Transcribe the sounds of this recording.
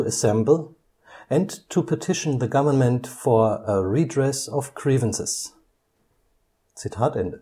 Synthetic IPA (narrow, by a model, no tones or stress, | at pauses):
əsɛ̃mbl̩ˠ | ɨ̃ntʰupʰətʰɪʃn̩ðəɡʌvə˞nmə̃ntfɔ˞əɹidɹɛsɔv̥kʰɹivə̃nsɪ̰s | sɪtʰatɛ̃n